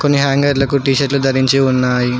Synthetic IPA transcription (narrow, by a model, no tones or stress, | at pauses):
ko̞nːiɦaːŋɡɐɾlɐkuʈiːʃɐʈlud̪ɐɾiɲt͡ʃiunːaːji